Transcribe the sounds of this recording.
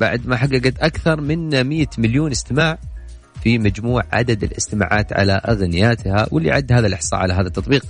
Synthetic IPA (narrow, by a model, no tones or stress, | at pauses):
b̥a̰ʕd̪maħaɡːaɡat̪ʔakθɑɾˤmɪnmɪjːamɪljuːnɪst̪ɪmaːʕ | fimad͡ʒmuːʕʕa̰d̪ad̪ɪlɪst̪ɪma̰ːʕa̰ːt̪ʕa̰laʔaɣnɪjaːt̪ha̰wɪlːḭʕad̪ːhaːðalʔɪħsˤɑ̰ːʕalaɦaːðat̪ːɑt̪ˤbiːq